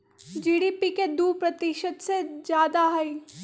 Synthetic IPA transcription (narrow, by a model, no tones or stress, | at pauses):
d͡ʒiːɽiːpiked̪uːpɾət̪iʃəd̪sezjaːd̪aɦɐi